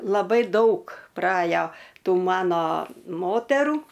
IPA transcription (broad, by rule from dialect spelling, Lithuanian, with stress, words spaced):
lˠɐˈbɐɪ ˈdɐʊk prɐˈɑːjoː ˈtuː ˈmɑːnoː ˈmoːtʲɛruː